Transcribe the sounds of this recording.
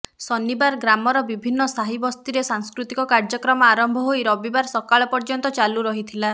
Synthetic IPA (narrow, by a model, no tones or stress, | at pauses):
sɔnibaɾɡɾamɔɾɔbibʱinːɔsaɦibɔst̪iɾesaŋskɾut̪ikɔkaɾd͡ʒɔkɾɔmɔaɾɔmbʱɔɦojɾɔbibaɾsɔkaɭɔpɔɾd͡ʒɔnt̪ɔt͡ʃaluɾɔɦit̪ʰila